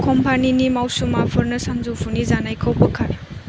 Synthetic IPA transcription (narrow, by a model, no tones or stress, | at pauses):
kɔmpaninimawsumapʰɔɾnɯsanzupʰunizanajkʰɔwpɔkʰaɾ